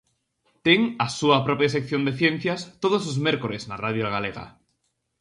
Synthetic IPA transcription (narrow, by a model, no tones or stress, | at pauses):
t̪eŋasuapɾopjasekθjo̞nd̪eθjẽn̟θjast̪oð̞oslozmeɾkoɾeznaraðjoɣ̞aleɣa̰